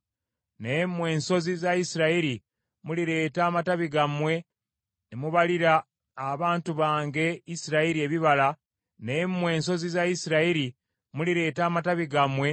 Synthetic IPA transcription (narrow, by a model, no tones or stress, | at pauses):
nemwe̞ːnso̞zizaisiɾaiɾi | muliɾe̞ːtaːmataβiɡamwe̞ | nemuβaliɾaː | βaːntuβaːŋɡe̞isiɾaiɾieβiβala | nemwe̞ːnso̞zizaisiɾaiɾi | muliɾe̞ːtaːmataβiɡamwe̞